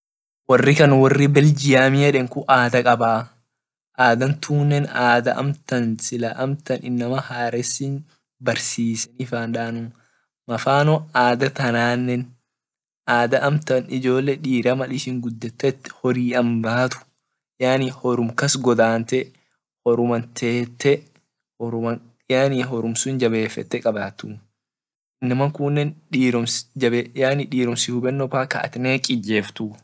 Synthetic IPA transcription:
wɐrːɪkɐnwɐrːɪbɛld͡ʒɪjaːmɪɛᶑɛŋkʊʔaːd̪ɐkʼɐbaː | ʔaːd̪ɐnt̪ʰuːnːɛnaːd̪ɐʔɐ̰mt̪ɐnsɪlɐʔɐmt̪ɐnɪnːɐmɐhaːɾɛsɪn | bɐɾsiːsɛnɪfaːnᶑaːnʊm | mɐfaːnɔaːd̪ɐt̪ɐnaːnːɛn | ʔaːd̪ɐʔɐmt̪ɐnɪd͡ʒo̞ːlːɛᶑiːɾɐmɐlɪʃɪŋɡʊd̪ːɛt̪ːɛɛt̪ːɪ̥hɔɾiːʔɐmbaːt̪ʊ̥ | jaːnihɔɾʊmkɐsɡɔd̪aːnt̪ɛ | hɔɾʊmɐnt̪ʰeːt̪ːɛ | ɔɾɐ | jaːniːɦɔɾʊmsʊnd͡ʒɐbe̞ːfːɛ̰t̪ːɛkʼɐbaːt̪ːʊ | nːɐmɐkunːɛnᶑiːɾɔmd͡ʒɐbejaːniᶑiːɾɔmsɪhʊbɛnːɔpaːkɐ̰ʔɐ̰t̪ɪneːkʼɪd͡ʒːeːft̪ʊ

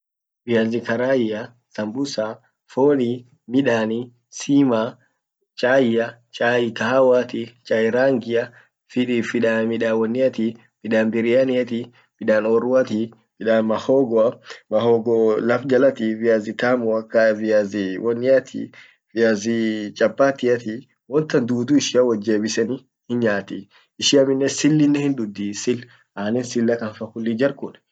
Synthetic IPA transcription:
vijazikaɾajija | sambusa | foni | miɗani | sima | t͡ʃajia | t͡ʃaikaɦawat̪it͡ʃaiɾaŋɡija | fiɗifiɗamiɗawɔnːiat̪i | miɗambiɾianiat̪i | miɗanɔɾuwat̪i | fiɗanmahɔɡɔamɐhoɡɔlɐfd͡ʒɐlɐt̪ivɪazɪt̪aːmʊɐkːɐvɪjazɪwɔnːɪjɐt̪ʰḭ | vɪjazɪt͡ʃʼɐpːaːt̪ɪɐt̪i | wɔnt̪ɐnd̪uːd̪uːɪʃɪɐwɐd͡ʒːe̞ːbɪsɛnɪ | hɪnɲaːt̪ɪ | ɪʃɪɐmɪnːɛsɪlːɪnːɛhɪnd̪ʊd̪ːisɪl | ʔaːnɪnsɪlːɐkɐnfɐkʊlːid͡ʒɐɾkʊn

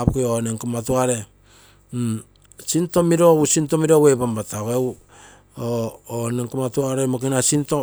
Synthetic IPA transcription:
pkeoneŋkamatuaɾe | sintomiɾousintomiɾowebambataɣew | ooneŋkamatuaɾemakinasinto

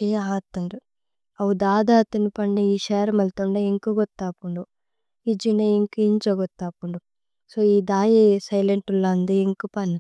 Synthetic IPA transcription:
eːaːt̪ːɐɳɖu | ɐwud̪aːd̪aːt̪ɐnipɐɳːiiːʃeːɾɐmɐlt̪uɳɖɐeŋkuɡɔt̪ːaːpuɳɖu | id͡ʒinɐiŋkiint͡ʃɔɡɔt̪ːaːpuɳɖu | soːiːd̪aːjesɐjleɳʈulːaːnd̪ieŋkupɐni

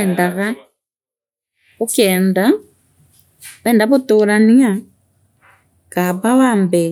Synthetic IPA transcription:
ɛndaɣa | okɛːnda | ɛndaβotoɾania | kaβawambɛ

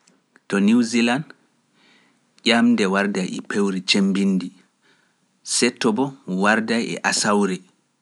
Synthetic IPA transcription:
tɔniwziland | ʄʲamdɛwaɾdajɛ̰pewɾit͡ʃembinːdi | sɛtːɔbɔwaɾdajɛ̰ʔasawɾɛ

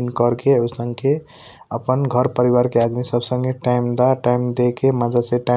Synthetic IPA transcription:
nkəɾkeusəŋke | əpənɡʱəɾpəɾiwaɾkead̪misəbsə̃ŋɡeʈaɪmd̪aʈajmd̪ekemad͡ʒaseʈa

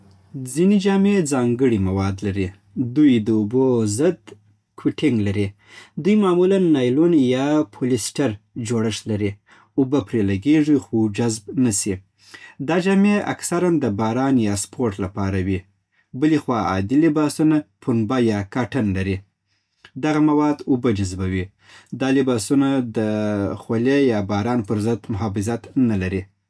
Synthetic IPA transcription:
d͡zined͡ʒɑmed͡zɑŋɡəɽimawɑd̪laɾi | d̪ujd̪əubozəd̪ | kʰwiʈɪŋɡlaɾi | d̪ujmɑmulanːɑjlunjɑpʰulɪsʈaɾd͡ʒoɽəʂlaɾi | ʊbapɾelaɡeʐixod͡ʒazb̚nasi | d̪ɑd͡ʒɑmea̰ksaɾand̪əbɑɾɑnjɑspʰoɾʈlapɑɾawi | bəlixwɑɑ̰d̪ilɪbɑsunapʰunbajɑkaʈənlaɾi | d̪aɣamawɑd̪ubad͡ʒazbawi | d̪ɑlɪbɑsunad̪əxolejɑbɑɾɑnpəɾzəd̪mʊɦɑfɪzat̪nalaɾi

